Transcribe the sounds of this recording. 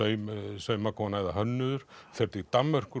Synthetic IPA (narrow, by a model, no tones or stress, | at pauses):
œɥsœɥmakʰɔnajðaɦœnːʏðʏɾ̥fɛɾt̪it̪amːœr̥kʏ